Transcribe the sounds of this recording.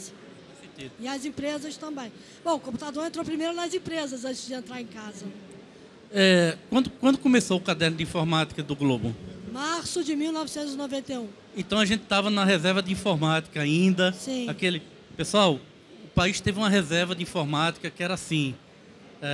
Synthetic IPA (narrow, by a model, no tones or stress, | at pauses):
s | kõseɾt̪ezɐɪɐzẽpɾezɐst̪ɐ̃mbẽj̃ | b̥õw̃ʊkõput̪ad̪oɾẽnt̪ɾowpɾimejɾʊnɐzĩpɾezɐzɐ̃nt͡ʃɪzd͡ʒɪẽnt̪ɾaɾẽkazɐ | ɛkwɐ̃nd̪ʊkwɐ̃nd̪ʊkõmesowʊkad̪ɛɾnʊd̪ɪĩfoɾmat̪i̥kɐd̪ʊɡlobʊ̰maɾsʊd͡ʒɪmiwnɔvɪsẽnt̪ʊzɪnovẽnt̪ejũ | ẽt̪ɐ̃w̃ɐʒẽnt̪ɪ̥t̪avɐnɐɦezɛɾvɐd͡ʒ̪ɪĩfoɾmat̪i̥kɐaĩnd̪ɐsĩakelɪ | pesuaw | ʊpaiʃt̪evɪũmɐɦezɛɾvɐd̪ɪĩfoɾmat̪i̥kɐkɪɛɾɐasĩ | ɛ